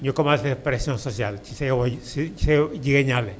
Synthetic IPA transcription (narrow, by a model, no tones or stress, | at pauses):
ɲokomasepɾesjõnsosjalt͡ʃiseosied͡ʒiɣeɲale